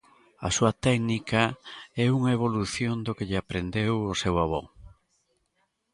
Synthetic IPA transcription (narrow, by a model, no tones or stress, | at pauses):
ɐ̰suɐt̪ɛknikɐɛuŋɐeβ̞oluθjond̪okeʎɪapɾend̪ewosewaβɔ̰